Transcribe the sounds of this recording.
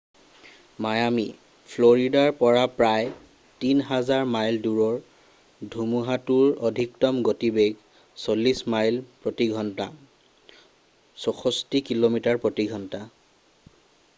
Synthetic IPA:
majami | pʰloɹidaɹpɔɹapɹaj | tinɦazaɹmajlduɹɔɹ | dʱumuɦatuɹɔdʱiktɔmɡotibeɡ | solːismajlpɹotiɡʱɔnta̰ | sɔxɔstikilomitaɹpɹotiɡʱɔnta

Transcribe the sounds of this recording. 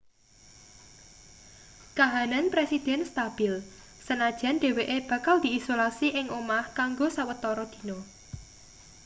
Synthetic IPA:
kaɦananpɾesid̪̥ɛ̤nst̪ab̥ɪl | sənad̥ʒ̥a̤nɖ̥e̤weʔeb̥ä̤kald̪̥i̤isolasiʔɪŋomahkaŋɡosawət̪ɔɾɔd̪̥i̤no

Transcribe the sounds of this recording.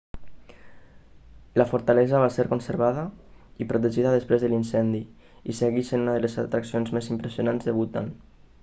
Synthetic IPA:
lafuɾt̪alɛzaβ̞aseɾkonseɾβaðəipɾut̪eʒiðaðəspɾezðəlinsɛnd̪i | iseɣisenunaðəlezat̪ɾaksionzmezimpɾəsionanzðəβ̞ut̪a̰n

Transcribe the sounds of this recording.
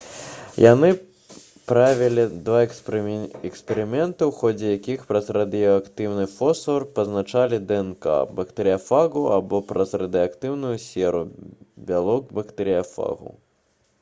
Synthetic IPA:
janɨ | pɾavʲɛlʲid̪va | ɛkspʲɛɾɨmʲɛnt̪ɨwxɔd͡zʲɛjakʲixpɾɐzrɐd̪ɨjɔakt̪ɨwnɨfɔsɔrpɐznat͡ʂalʲid̪ɛɛnka̰bɐkt̪ɐɾɨjafaɣuabɔpɾɐzrɐd̪ɨjakt̪ɨwnujusʲɛɾubʲalˠɔkbɐkt̪ɐɾɨjafa̰ɣṵ

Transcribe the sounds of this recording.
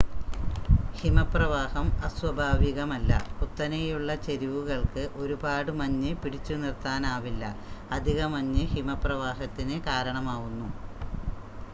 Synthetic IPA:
himɐprɐʋaːhɐmɐswɐbʱaːʋiɣɐmɐlːɐ̰put̪ːɐnɐjuɭːɐt͡ɕe̞ɾiʋuɣɐɭkɨʔo̞ɾubaːɽɨmɐɲːɨpiɽit͡ɕːunirt̪aːnaːʋilːɐ̰ | ɐd̪ʱiɣɐmɐɲːɨhimɐprɐʋaːɦɐt̪ːinɨkaːɾɐɳɐmaːɣunːu

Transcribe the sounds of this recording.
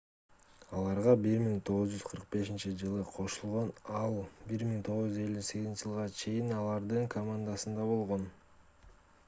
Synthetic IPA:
ɑlˠɑɾʁɑbiɾmiŋt̪ʰo̞ʁɯzd͡ʒyzqʰɯɾq̚be̞ʃint͡ʃid͡ʒɯlˠɯqʰo̞ʃulˠʁo̞nɑlˠbiɾmiŋt̪ʰo̞ʁzd͡ʒyze̞lʲːyse̞ɡizint͡ʃɪʒɯlˠʁɑt͡ʃʰe̞jinɑlˠɑɾd̪ɯŋkʰomand̪asɯnd̪ɑβo̞lˠʁo̞n

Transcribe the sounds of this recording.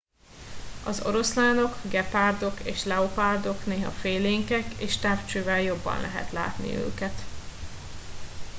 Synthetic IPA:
ɒzo̞̰ɾo̞slaːno̞kɡɛpaːrd̪o̞keːʃlɛopaːrd̪o̞kneːɦɒ̰feːleːŋkɛkeːʃt̪aːft͡ʃøːvɛljo̞bːɒ̰nlɛɦɛ̰t̪la̰ːt̪nḭø̰ːkɛt̪

